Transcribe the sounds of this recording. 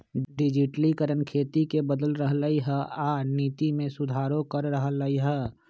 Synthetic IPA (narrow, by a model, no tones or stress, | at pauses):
ɖɪd͡ʒɪʈlikəɾənkʰeːt̪ikebəd̪əlɾəɦləiɦɛaːniːt̪imẽsʊd̪ʱaːɾõkəɾːəɦələiɦɛ